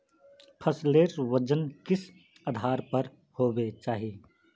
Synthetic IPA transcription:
pʰəsleːɾʋəd͡ʒənkɪs | aːd̪ʱaːɾpɐɾ | hoːbet͡ʃaːɦieː

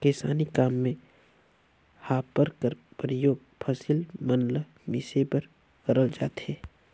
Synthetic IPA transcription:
kɪsa̰ːnikaːmːẽ | haːpːəɾkəɾpɾəjoːɡ̚ | pʰɐsɪlmənlə | mɪsepɐɾ | kəɾəld͡ʒa̰ːt̪eː

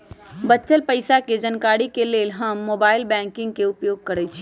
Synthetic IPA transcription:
bətːʃəlpəɪsaked͡ʒənkaɽikelelɦəmːobailbɛ̃ŋkĩŋɡkeupjoɡ̚kəɾɛt͡ʃʰi̥

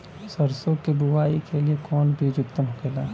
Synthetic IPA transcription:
səɾsõkebuʋaːikeliekɔːnbʱid͡ʒʊkt̪əmɦoɡelaː

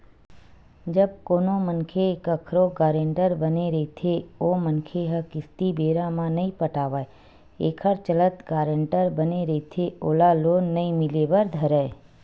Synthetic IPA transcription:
d͡ʒəb̚koːnomənkʰekəkʰɾoɡaːɾẽɳʈəɾbəneɾəɦt̪ʰeomənkʰeɦəkɪst̪ibeːɾãmãnəĩpəʈaːʋae | eːkʰəɾt͡ʃələt̪ɡaːɾəɳʈəɾbəneɾəit̪ʰeoːlaloːnːəĩmɪleʋəɾd̪ʱəɾəe

